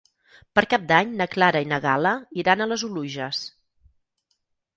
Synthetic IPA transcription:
pəɾkap̚d̪aɲnəklaɾəinəɣ̞aləiɾanələzuluʒəs

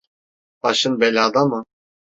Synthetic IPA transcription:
b̥aʃɯnbelʲad̪amɯ

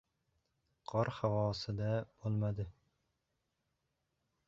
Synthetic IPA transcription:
qʰɒɾhawɒːsɪd̪ab̥olˠmad̪ɪ

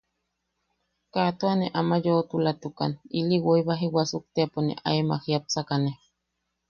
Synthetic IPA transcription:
kat̪uaneʔamajoːt̪ulat̪uka̰niliwoiβaɦiwasuk̚t̪eponḛʔa̰ema̰hiap̚t͡sakane

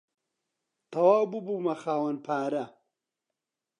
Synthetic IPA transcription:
t̪ɐwaːwbubuːmɐxaːwɐnpʰaːɾɐ

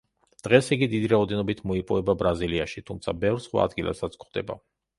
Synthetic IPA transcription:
d̪̥ʁɛsiɡid̪id̪iɾaɔd̪ɛnɔbit̪ʰmɔipʼɔvɛbabɾaziliaʃit̪ʰumt̪sʰa̰bɛvɾsχwa̰ːd̪ɡila̰sat̪sʰkχd̪̥ɛ̰ba̰

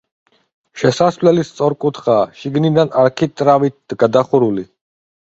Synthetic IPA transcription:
ʃɛsasvlɛlist̪sʼɔɾkʼut̪ʰχaːʃiɡnid̪anaɾkʰit̪ʼɾavit̪̚d̪̥ɡad̪aχuɾuli

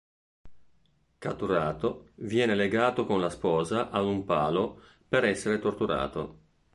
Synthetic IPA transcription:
kat̪ːuɾaːt̪ovjɛːneleɡaːt̪okonlaspɔːzaʔad̪umpaːlo | peɾɛsːeɾet̪ort̪uɾa̰ːt̪o̰

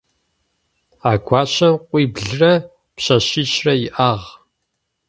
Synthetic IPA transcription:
aːɡʷɑːɕɐmqʷiːbɮɨrɐ | pɕɐɕiːɕrɐjɪʔaːʁ

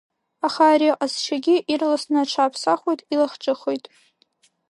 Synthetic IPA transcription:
aχaːɾiʔasʃʰaɡʲɪʔirlasnɨaʈ͡ʂʰaːpʰsaχʷojtʼilaχʈ͡ʂʼɨχojtʼ

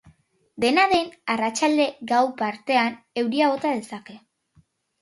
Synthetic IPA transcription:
d̪e̞naðe̞narat͡ʃald̪e̞ɡawpaɾt̪e̞an | e̞wɾiaɣo̞t̪að̞e̞sake̞

